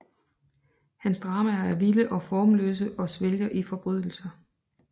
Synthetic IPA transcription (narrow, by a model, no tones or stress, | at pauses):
hænsd̥ʁɑ̈ːmææɐʋiləʔɒ̽fɒːmlø̰ːs̬əʔɒ̽sʋelɡɐʔifɒ̽b̥ʁyð̰ˠl̩sɐ